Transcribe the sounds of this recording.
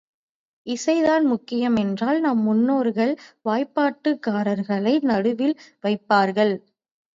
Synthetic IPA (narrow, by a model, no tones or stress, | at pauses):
ɪsɐɪðaːnmʊkːɪjɐmɛndraːlnɐmːʊnːoːɾɣɐɭʋaːjpːaːʈːɯkːaːɾɐɾɣɐɭɐɪnɐɽɯʋɪlʋɐɪpːaːɾɣɐɭ